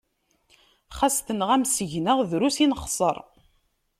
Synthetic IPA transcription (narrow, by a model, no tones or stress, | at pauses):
χast̪ənʁæmsəʝnəʁðɾusinəχsˤəɾˤ